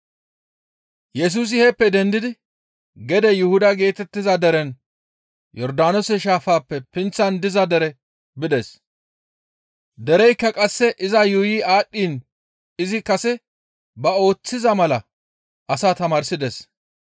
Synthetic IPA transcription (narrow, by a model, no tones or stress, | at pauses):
jɛs̬uːs̬ɪhɛpːɛd̪ɛnd̪ɪd̪ɪ | ɡɛd̪ɛjʊhʊd̪ɐɡe̞ːt̪ɛt̪ːɪzɐd̪ɛɾɛn | jɔɾd̪aːnɔsɛʃaːfaːpːɛpɪnt͡sːɐnd̪ɪzɐd̪ɛɾɛ | bɪd̪ɛs | d̪ɛɾɛjkːɐkʼɐsːɛʔɪzɐjʊjiːaːɗːiːn | ɪzɪkɐsɛ | bɐo̞ːt͡sːɪzɐmɐlɐ | ʔɐsaːt̪ɐmaːɾsɪd̪ɛs